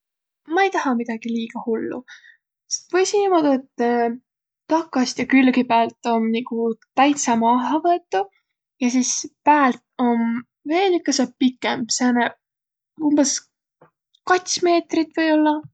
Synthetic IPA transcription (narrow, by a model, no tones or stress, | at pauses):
mɑejt̪ɑhɑmid̪̥ɑɡ̥iliːɡ̥ɑhulːṵ | se̥st̪vɤjsinːimod̪et̪ː | t̪ɑkːˑɑst̪jɑkylɡipæːlt̪ːˑo̞mnikut̪æjt̪sɑmɑɑɦɑvɤet̪ːˑu | jɑsispæːlt̪̚o̞m | ve̞ːlikːˑɑsɑpikːˑemseɑnɑ | umb̥es | kɑt̪ʲsme̞ːt̪rit̪ːˑvɤjo̞lːɑ